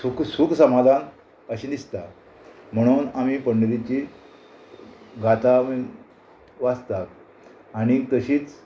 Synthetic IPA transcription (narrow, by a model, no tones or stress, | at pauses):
suksuksəmad̪ʱan | əɕid̪ist̪a | m̤əɽ̃uːnamipəɳɖəɾit͡ɕi | ɡʱat̪ami | ʋast̪at̪̚ | aɽ̃it̪əɕiːt͡s